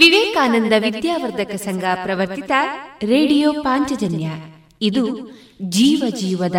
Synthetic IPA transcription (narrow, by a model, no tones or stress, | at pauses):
ʋiʋeːkaːnɐnd̪ɐʋid̪jaːʋɐɾd̪ɐkɐsɐŋɡʱaːpɾɐʋɐɾt̪it̪ɐɾeːɖijoːpaːɲt͡ʃɐd͡ʒɐnja | id̪u | d͡ʒiːʋɐd͡ʒiːʋɐd̪ɐ